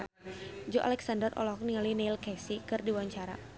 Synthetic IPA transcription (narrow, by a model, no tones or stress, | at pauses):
d͡ʒɔʔa̰lɛksandərʔɔ̰lɔɔk̚niŋalinelkɛsikɨrdiwaɲt͡ʃaɾa̰